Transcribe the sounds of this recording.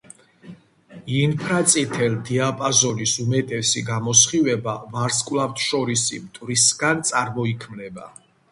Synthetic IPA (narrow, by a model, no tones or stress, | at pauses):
inpʰɾat̪sʼit̪ʰɛld̪iapʼazɔnisumɛt̪ʼɛsiɡamɔsχivɛbavaɾskʼwlaft̪ʰʃɔɾisḭmt̪ʼvɾisɡant̪sʼaɾmɔikʰmlɛba̰